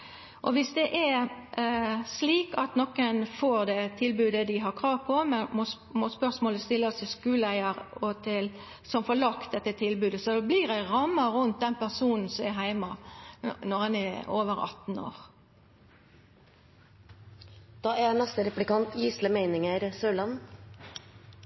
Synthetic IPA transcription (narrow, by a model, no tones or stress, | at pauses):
ʔɔʋɪsd̪ɛʔɛ | sliːkɑt̪nɔkənfoːɾd̪ɛt̪ʰɪlbʉːd̪əd̪ɪɦɑɾkʰʁɑːʋpʰɔmɛnmɔ | mɔspœʁsmoːləst̪ɪlːəst̪ʰɪskʉːləæɪəɾɔt̪ʰɪl | sɔmfɔlɑkt̪̚d̪ɛt̪ːət̪ʰɪlbʉːd̪əsɔd̪ɔbliɾæʁɑmːɑɾʉnt̪̚d̪ɛnpæʁsuːnn̩sɔmɛɦæɪmɑ | nɔʁɑnɛoːʋəɾɑ̰t̪n̩o̰ːʁ | d̪̥ɑːænɛst̪əɾɛplɪkɑnt̪ʰjiːsləmæɪnɪŋəɾsøːlɑn